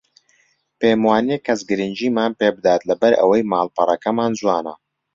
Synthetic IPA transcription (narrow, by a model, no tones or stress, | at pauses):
peːmwaːnekːɐsɡɨɾɨnd͡ʒiːmaːnpeːbɨd̪aːt̪lɐbɐɾɐ̰wɐjmaːlˠpɐrˤɐkɐmaːnzwaːnɐ̰